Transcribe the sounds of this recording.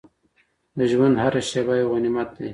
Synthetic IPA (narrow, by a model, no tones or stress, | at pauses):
d̪əʒwand̪haɾaʃebajoɣanimat̪̚d̪e